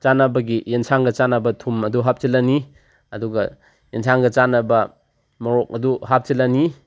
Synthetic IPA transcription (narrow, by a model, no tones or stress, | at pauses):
t͡ʃanɐbɐɡijensʰaŋɡɐt͡ʃanɐbɐtʰumɐduɦap̚t͡ʃilani | ɐduɡɐ | jensʰaŋɡɐt͡ʃanɐbɐ | mɐɾɔk̚ɐduɦap̚t͡ʃilani